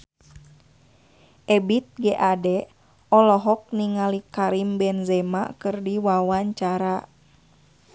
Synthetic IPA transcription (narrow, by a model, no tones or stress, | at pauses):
ʔɛbit̪̚ɡɛʔadɛ | ɔlɔɦɔk̚niŋalikaɾimbɛnzɛma̰kɨrdiwawaɲt͡ʃaɾa